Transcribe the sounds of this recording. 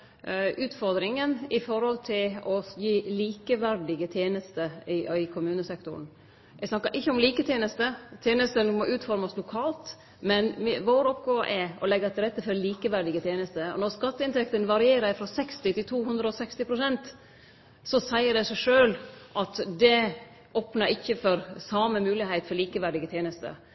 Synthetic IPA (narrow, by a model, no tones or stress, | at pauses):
ʉːt̪fɔɾd̪ɾɪŋənɪfɔɾhɔlt̪ʰɪlɔjiːliːkəʋæɾɖɪɡət̪ʰjeːnəst̪əɪɪkʰʊmʉːnəsɛkt̪ʊ̰ɾn | ɛsnɑkːɑɾʔɪçːəɔmliːkət̪ʰjeːnəst̪ət̪ʰjeːnəst̪ənmɔʔʉːt̪fɔɾmɑslʊkʰɑːlt̪ | mɛnʋoːɾɔpɡoːʔɛɔlɛɡəɾt̪ʰɪlɾɛt̪ːəfɔɾliːkəʋæɖɪɡət̪ʰjeːnəst̪əɔ̰nɔɾskɑt̪ːəɪnt̪ʰɛkt̪ənʋɑɾɪeːɾæɪfɾɔsɛkst̪ɪt̪ɪlt̪ʰuːhʉnd̪ɾəɔsɛkst̪ɪpɾʊsɛnt̪ | sɔsæɪəɖɛsæɪʂøːlʔɑt̪d̪ɛ | ʔoːpnɑɾɪçːəfɔɾsɑməmʉːlɪheɪt̪fɔɾliːkəʋæɖɪɡət̪ʰjeːnəst̪ə̰